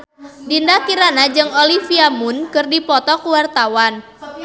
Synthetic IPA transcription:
dindakiɾanad͡ʒɨŋolifiamunkɨrdipɔt̪ɔkuwart̪awan

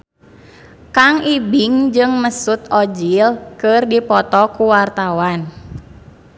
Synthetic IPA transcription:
kaŋibiŋd͡ʒɨŋməsut̪ɔd͡ʒilkɨrdipɔt̪ɔkuwart̪awan

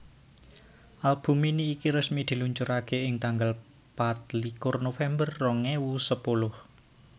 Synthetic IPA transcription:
ʔalb̥ṳminiːkiɾəsmid̪̥i̤luɲt͡ʃʊɾakeɪŋt̪aŋɡəl | pat̪̚likʊrnofɛmbərːɔŋewusəpulʊh

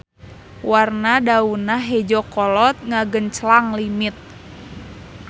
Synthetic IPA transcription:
warnadaunaɦɛd͡ʒɔkɔlɔt̪̚ŋaɡənt͡ʃəlaŋlimit̪̚

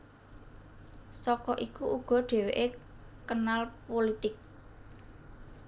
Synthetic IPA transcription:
sɔkɔʔikuʔuɡ̥ɔ̤ɖ̪̥e̤weʔekənalpolit̪ɪk̚

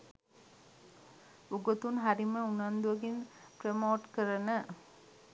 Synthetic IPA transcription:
uɡot̪unɦaɾiməunand̪uʋɐɡinpɾemoːʈkəɾənə

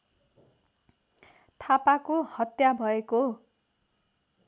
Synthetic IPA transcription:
t̪ʰapakohʌt̪jabʱʌeko

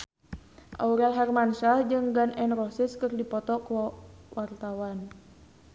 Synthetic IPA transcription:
ʔa̰uɾalɦɛrmanʃad͡ʒɨŋɡanʔɛnrɔsiskɨrdipɔt̪ɔkwɔwʔart̪awan

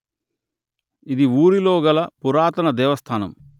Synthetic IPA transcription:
id̪iuːɾilo̞ːɡɐlɐpuɾaːt̪ɐnɐd̪ɛːʋɐst̪ʰaːnɐ̰m

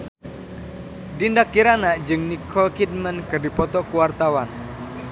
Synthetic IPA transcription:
dindakːiɾanad͡ʒɨŋnikʰɔlkid̚mənkɨrdipɔt̪ɔkuwart̪awan

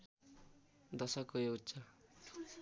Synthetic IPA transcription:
d̪ʌsʌkːoeutːsʌ

